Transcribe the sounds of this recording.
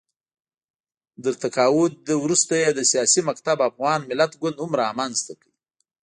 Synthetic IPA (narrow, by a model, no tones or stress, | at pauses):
d̪əɾt̪akɑwʊd̪əwɾust̪ajed̪əsijɑsimakt̪abafɣɑnmɪlat̪ɡwʊnd̪hʊmɾɑmanzt̪akəwi